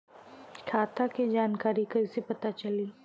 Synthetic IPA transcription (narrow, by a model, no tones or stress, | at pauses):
kʰaːt̪aked͡ʒaːnkaːɾikɐisepɐt̪at͡ʃɐliː